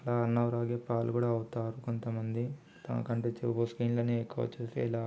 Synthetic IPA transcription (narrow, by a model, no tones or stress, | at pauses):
ɐlaːɐnːɐwɾaːɡeːpaːlukuːɽaːɐwut̪aːɾuko̞nt̪ɐmɐnd̪i | t̪ɐ̰mɐ̰kɐɳʈeːt͡ʃeboːskiːnlɐniekːuʋɐ̰t͡ʃuːst̪ḛːilaː